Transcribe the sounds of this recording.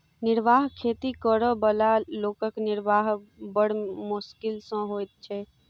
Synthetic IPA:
nɪɾʋaɦkʰet̪ikəɾəbəlalokəkniɾʋaɦbəɽ̤muskilsə̃ɦojt̪̚t͡ʃʰɛ

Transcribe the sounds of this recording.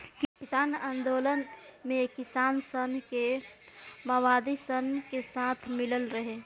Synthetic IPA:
kkisaːnaːnd̪oːlənmekisaːnsənke | məʋad̪isənkesat̪ʰmiləlɾəɦe

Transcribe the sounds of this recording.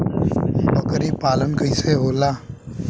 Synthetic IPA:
bɐkəɾipaːlənkəɪseɦoːlaː

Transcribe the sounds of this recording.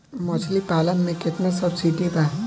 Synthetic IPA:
mɔt͡ʃʰlipaːlənmẽkɪt̪nasʌbsiʈiba

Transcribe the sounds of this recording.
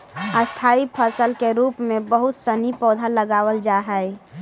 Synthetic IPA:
əst̪ʰaːipʰəsəlkeɾuːpmẽbəɦʊt̪sənipɔːd̪ʱaləɡaːwəld͡ʒaɦɛɪ

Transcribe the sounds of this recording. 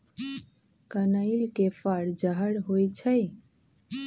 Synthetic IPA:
kənəɪlkefaɽd͡ʒaɦəɽɦojt͡ʃʰəj

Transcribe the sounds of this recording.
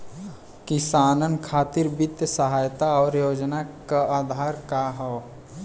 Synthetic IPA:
kɪsaːnənkʰaːt̪iɾbɪt̪jəsəɦaːjt̪aɔːɾjoːd͡ʒnakaaːd̪ʱaːɾkaɦɛː

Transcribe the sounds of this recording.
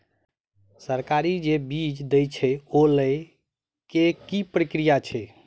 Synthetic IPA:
səɾkaɾid͡ʒebid͡ʒd̪əjt͡ʃʰɛoləj | kekipɾikɾijat͡ʃʰɛ

